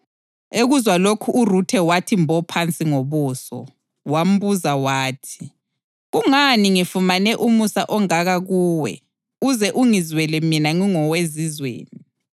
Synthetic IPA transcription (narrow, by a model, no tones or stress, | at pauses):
eɣuzwalokʰuʔːrutʰɛwatʰimbʱɔpʰant͡sʼiŋoβuːsɔ̰ | wam̩buzawaːtʰi̥ | ɣuŋaniŋifumanɛʔumusa̰ʔɔŋaɣaɣuːwɛ̰ | uzɛʔuŋizwɛlɛminaŋiŋɔwezizwḛːni